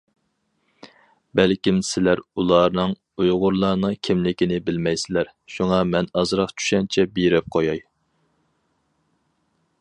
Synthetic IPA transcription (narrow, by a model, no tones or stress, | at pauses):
bɛlkʲimsɪlæɾulˠɑnɨŋ | ujʁʊɾlˠɑɾnɨŋkʲʰɪmlɪkʲinɪbɪlmɛjsɪlæɾ | ʃuŋɑmɛnɑzɾɑqt͡ʃʰy̥ʃɛnt͡ʃʰɛbiɾɛp̚qʰojɑj